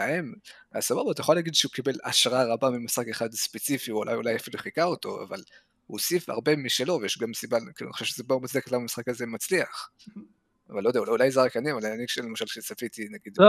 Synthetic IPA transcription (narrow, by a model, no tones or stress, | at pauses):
aem | asababat̪ajeχolhːɡid̪ʃeukibe̞la̰ʃʁaʁabamimisχake̞χad̪spet͡sifiulʔa̰julajafilueχikaoto̞a̰val | hṵsifa̰ʁbe̞miʃelo̞vejeʃɡamsibalkiːluaniχo̥ʃevʃezebaumat͡sdeketlamamisχakaze̞mat͡sliaχ | avalojd̪eauulajzaʁakaniavalanikʃelemaʃalʃesafit̪inaɡid̪